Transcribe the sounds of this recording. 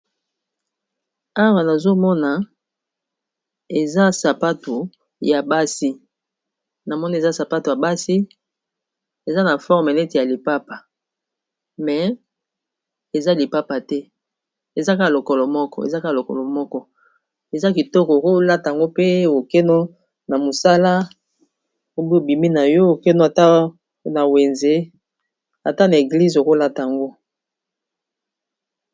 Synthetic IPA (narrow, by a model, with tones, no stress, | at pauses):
a˦wa˨na˨zo˦mɔ˦na˨ | e˨za˦sa˨pa˦tu˨ | ja˨ba˦si˦ | na˨mɔ˦ni˦e˨za˦sa˨pa˦tu˨ja˨ba˦si˦ | e˨za˦na˨fɔ˦ʁme˨nɛ˦ti˨ja˨li˨pa˦pa˨ | mɛ˨ | e˨za˦li˨pa˦pa˨tɛ˦ | e˨za˦ka˦˨lo˨kɔ˨lɔ˨mɔ˦kɔ̰˦ḛ˨za˦ka˦˨lo˨kɔ̰˨lɔ˨mɔ˦kɔ˦ | e˨za˦ki˨tɔ˦kɔ˨ko˦la˦ta˨a˨ŋɡo˦pe˦˨o˨ke˦no˦ | na˨mo˨sa˦la˦ | o˨bi˦o˨bi˨mi˦na˨jɔ˦o˨ke˦no˦a˨ta˦ | na˨we˨nze˦ | a˨ta˦na˨e˨ɡli˦zo˨ko˦la˦ta˨a˨ŋɡo˦